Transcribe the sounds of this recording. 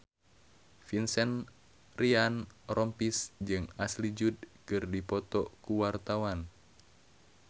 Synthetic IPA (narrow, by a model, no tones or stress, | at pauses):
finsɛn | rianrʔɔmpisd͡ʒɨŋaslid͡ʒud̚kɨrdipɔt̪ɔkuwart̪awan